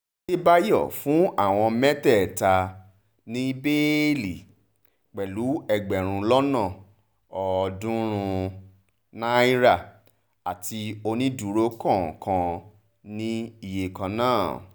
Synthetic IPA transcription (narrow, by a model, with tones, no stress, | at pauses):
e˦ba˦jɔ̰˦˨fũ˨˦a˦˨w̃ɔ̃˧mɛ˦tɛ˦˨ta˧ | nĩ˦be˦li˨ | k͡pɛ˨lu˨˦ɛ˧ɡ͡bɛ˨ɾ̃ũ˧lɔ˦nã˦˨ | ɔ˨˧dũ˦ɾ̃ũ˧u | na˦i˦ɾa˦˨ | a˨ti˧o˧nĩ˦du˨ɾo˦kɔ̃˦˨kã˧ | nĩ˦i˧˨je˨kã˧nãː˦˨